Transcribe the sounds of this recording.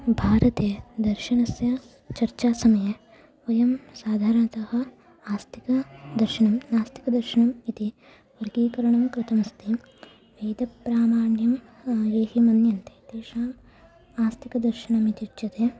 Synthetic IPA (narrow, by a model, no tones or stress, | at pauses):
bʱaːɾɐt̪eːd̪ɐɾʃɐɳɐsjɐ | t͡ʃɐɾt͡ʃaːsɐmɐjɐ | ɐjɐmsaːd̪ʱaːɾɐɳɐt̪ɐhɐ̆ | aːst̪ʰi̥kɐd̪ɐɾʃɐɳɐmnaːst̪ʰi̥kɐd̪ɐɾʃɐɳɐmit̪i | ʋɐɾɡiːkɐɾɐɳɐmkɾɪt̪ɐmɐst̪ʰi | ʋejd̪ɐpːɾaːmaːɳjɐm | eːɦimɐnjɐnt̪e̥ːt̪eːʃaːm | aːst̪ʰikɐd̪ɐɾʃɐɳɐmit̪it͡ʃɐt̪eː